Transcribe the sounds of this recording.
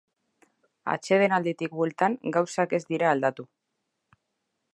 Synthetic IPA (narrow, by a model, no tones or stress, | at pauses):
a̰t͡ʃe̞ð̞e̞nald̪et̪ik̚bue̞lt̪aŋɡawsake̞zd̪iɾaːld̪at̪u